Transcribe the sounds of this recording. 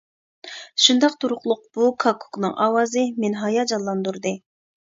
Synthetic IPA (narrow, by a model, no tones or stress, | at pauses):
ʃund̪ɑqt̪ʰuɾʊqlˠʊq̚b̥ukʰɑkʰu̥knɨŋʔɑ̰ːwɑːzɨmenɦɑjɑd͡ʒɑlˠːɑnd̪uɾd̪ɨ